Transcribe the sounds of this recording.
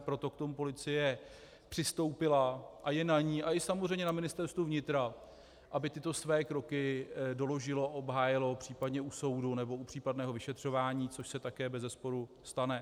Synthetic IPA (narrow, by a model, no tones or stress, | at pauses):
pɾo̞t̪o̞kt̪o̞mupo̞lɪt͡sɪjɛ | pr̥ɪst̪o̞wpɪlaʔajɛnaɲiːʔaʔɪsamozr̝ɛjmɲɛnamɪnɪst̪ɛɾst̪vuvɲɪt̪ɾa | ʔabɪt̪ɪt̪o̞svɛːkɾo̞kɪdo̞lo̞ʒɪlo̞aʔo̞bɦaːjɪlo̞pr̝̥iːpadɲɛuso̞wdunɛbo̞upr̥iːpadnɛːɦovɪʃɛt̪r̝̥o̞vaːɲiːt͡soʃsɛt̪akɛːbɛzɛspo̞ɾu | st̪anɛ